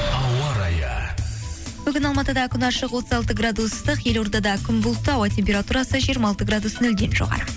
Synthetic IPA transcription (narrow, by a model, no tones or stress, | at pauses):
ɑwɑɾɑjə | b̥ʏɡʲɪnɑlˠmɑt̪əd̪ɑkʲʰʏnɑɾʃəqwo̞t̪əzɑlˠt̪əɡrad̪ust̪əqje̞lo̞ɾd̪ɑd̪ɑkʲʰʏnbʊlˠt̪ɑwɑtʲʰe̞mpʲe̞ɾat̪uɾɑsəʒijɾmɑlˠt̪əɡrad̪usənɵld̪e̞nʒo̰ʁɑ̰ɾə